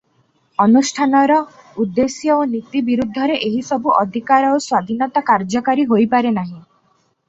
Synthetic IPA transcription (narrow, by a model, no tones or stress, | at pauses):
ɔnusʈʰanɔɾɔ | ud̪ːesjɔonit̪ibiɾud̪ʱːɔɾeʔeɦisɔbuʔɔd̪ʱikaɾɔoswad̪ʱinɔt̪akaɾd͡ʒɔkaɾiɦojpaɾenaɦĩ